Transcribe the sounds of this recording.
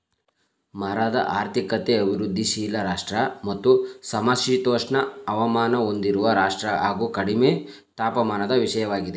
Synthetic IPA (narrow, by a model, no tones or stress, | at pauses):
mɐɾad̪ɐ̰ʔaːɾt̪ʰikɐt̪eɐbʱiɾud̪ʱːiʃiːlɐɾaːʂʈɾɐmɐt̪ːusɐmaʃiːt̪oːʂɳɐɐʋɐmaːnɐo̞nd̪iɾuʋɐɾaːʂʈɾɐɦaːɡuːkɐɽimeː | t̪aːpɐmaːnɐd̪ɐʋiʂɐjɐʋaːɡid̪e